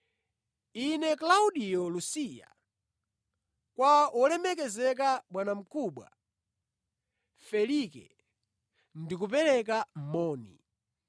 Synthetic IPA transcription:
inɛklauɗijɔlusija̰ | kwaɔlɛmɛkɛzɛk̬aɓwanam̩kʰuɓwa̰ | fɛlikɛ̰ | ndik̬upɛlɛk̬am̩mɔːnḭ

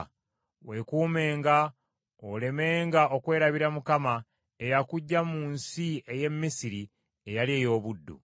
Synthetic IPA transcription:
we̞kuːme̞ːŋɡa | ole̞me̞ːŋɡao̞kwe̞ːɾaβiɾamukama | e̞jakuɟːamuːnsie̞je̞mːisiɾi | ejalie̞ːjo̞ːβudːṵ

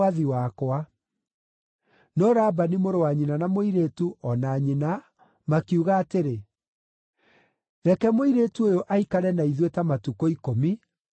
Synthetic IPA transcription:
aðiwakwa | nɔɾabanimoɾowaɲinanamoiɾetuɔnaɲina | makiuɣaːteɾe | ðɛkɛmoiɾetuojoʔaikaɾɛnaiðwetamatukɔikomi

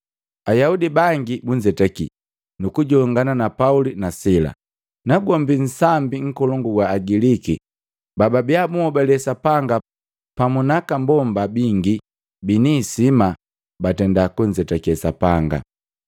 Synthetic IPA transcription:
ajaudibaŋɡibuɲd͡ʒɛtɛkḭ | nukuɟɔŋɡananapaulinasila̰ | naɡɔmbin̩sambiŋ̩kɔlɔŋɡuɡwaːɡiliki | bababiabumɔbɛlɛsapaŋɡa | pamunakambɔmbabiŋɡi | binisima | batɛndakuɲd͡ʒɛtɛkɛsapaŋɡa̰

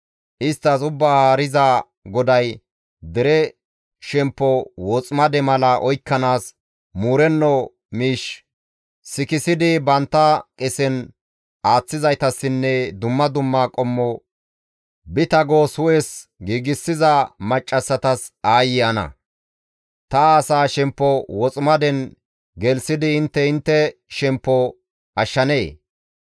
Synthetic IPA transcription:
ʔɪst̪ːɐsʊbːaːhaːɾɪza | ɡɔd̪ɐj | d̪ɛɾɛ | ʃɛmpːɔwɔːt͡sʼmɐd̪ɛmɐlɐʔɔjkːɐnaːs | muːɾɛnːɔ | miːʃ | sɪkɪsɪd̪ɪbɐnt̪ːɐkʼɛsɛn | ʔaːt͡sːɪzɐjt̪ɐsːɪnːɛd̪ʊmːɐd̪ʊmːaːkʼɔmːɔ | bɪt̪ɐɡoːsʊʔɛːsɡiːɡɪsːɪzɐmɐt͡ʃʼːɐsːɐt̪ɐsaːjɪɐnɐ̰ | t̪ɐːsaːʃɛmpːɔwɔt͡sʼmɐd̪ɛn | ɡɛlsɪd̪ɪɪnt̪ːɛɪnt̪ːɛʃɛmpːɔ | ʔɐʃːɐne̞ː

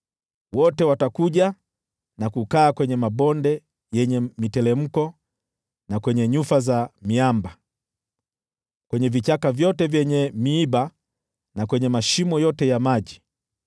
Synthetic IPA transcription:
wɔtɛwatakuʄa | nakukaːkwɛɲɛmabɔndɛ | jɛɲɛmitɛlɛm̩kɔ | nakwɛɲɛɲufazamiamba | kwɛɲɛvit͡ʃakavjɔtɛvjɛɲɛmiːba | nakwɛɲɛmaʃimɔjɔtɛjamaʄi

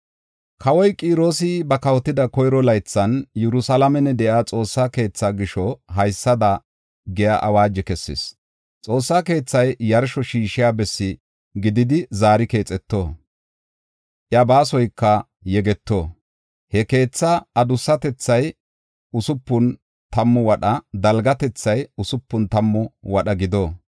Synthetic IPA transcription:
kʰɐwɔjkʼiːɾo̞ːsɪbɐkɐwɔt̪ːɪd̪ɐkɔjɾɔlɐjt͡sːɐnjɛɾʊsɐlɐmɛnɛd̪ɛʔaːt͡sʼo̞ːsːake̞ːt͡sːaɡɪʃɔɦɐjsːɐd̪ɐ | ɡɛjaʔɐwaːd͡ʒɛkɛsːḛːs | t͡sʼo̞ːsːake̞ːt͡sːɐjːɐɾʃɔʃiːʃɪjaːbɛsːɪ | ɡɪd̪ɪd̪ɪzaːɾɪke̞ːt͡sʼɛt̪ːo̞ː | ʔɪɐbaːs̬ɔjkːɐ | jɛɡɛt̪ːo̞ː | hɛke̞ːt͡sːɐɐd̪ʊsːɐt̪ɛt͡sːɐj | ʊsʊpːʊn | t̪ɐmːʊwɐɗɐd̪ɐlɡɐt̪ɛt͡sːɐjʊsʊpːʊnt̪ɐmːʊwɐɗɐɡɪd̪o̞ː

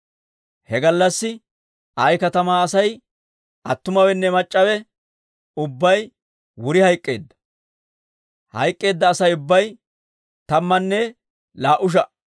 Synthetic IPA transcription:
hɛɡɐlːɐsːɪ | ʔɐjkɐt̪ɐmaːɐsɐj | ʔɐt̪ːʊmɐwɛnːɛmɐt͡ʃʼːɐwɛ | ʊbːɐj | wʊɾɪhɐjkʼːe̞̰ːd̪ːɐ̥ | hɐ̰jkʼːe̞ːd̪ːɐːsɐjʊbːɐj | t̪ɐmːɐnːɛ | laːʔʊʃ̬ɐ

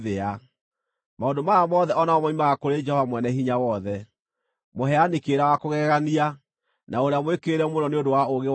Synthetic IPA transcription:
ðea | maondomajamɔðɛʔɔnaɔmɔimaɣakoɾed͡ʒɛhɔvamwɛnɛɦiɲawɔðɛ | moɦɛanikeɾawakoɣɛɣania | naoɾeamwekeɾɛmonɔneondowaoɣew

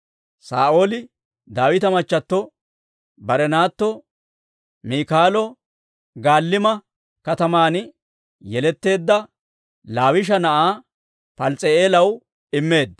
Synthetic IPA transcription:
saːʔo̞ːlɪ | d̪aːwɪt̪ɐmɐt͡ʃːɐt̪ːɔ | bɐɾɛnaːt̪ːɔ | miːkaːlɔ | ɡaːlːɪmɐ | kɐt̪ɐmaːn | jɛlɛt̪ːe̞ːd̪ːɐ | laːwɪʃ̬ɐnɐʔaː | pɐlt͡sʼeeːlɐw | ɪmːe̞ːd̪ːɐ

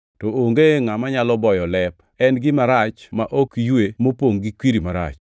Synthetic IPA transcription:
tooŋɡeŋamaɲalɔbɔjɔlɛp̚ | ɛnɡɪmaɾat͡ʃmaʔokijwemopoŋɡikwiɾimaɾa̰t͡ʃ

